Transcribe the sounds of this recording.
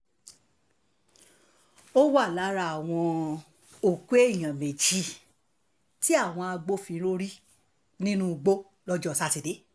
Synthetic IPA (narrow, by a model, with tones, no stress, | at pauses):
o˦wa˦˨la˨˦ɾa˧˦a˨w̃ɔ̃˧ | o˨kʷe˦e˦˨j̃ã˨me˨d͡ʒi˦ | ti˦a˦˨w̃ɔ̃˧a˧ɡ͡bo˦fĩ˧˦ɾo˦ɾi˦ | nĩ˦nũ˦˧ɡ͡bo˦ | lɔ˦d͡ʒɔ˦˨sa˦ti˨˧de˨˦